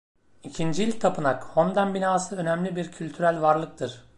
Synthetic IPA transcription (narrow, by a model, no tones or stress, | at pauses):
icʰind͡ʒiilʲt̪ʰapʰɯnakho̞nd̪anbinaːsɯø̞nɛmlʲibiɾcʰylʲt̪ʰyɾælʲvaɾlˠɯk̚t̪ʰɯɾ̥